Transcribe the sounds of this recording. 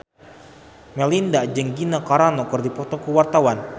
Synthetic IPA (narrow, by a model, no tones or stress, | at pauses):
mɛlindaʔd͡ʒəŋɡinakaɾanɔkərdipɔt̪ɔkuwart̪awan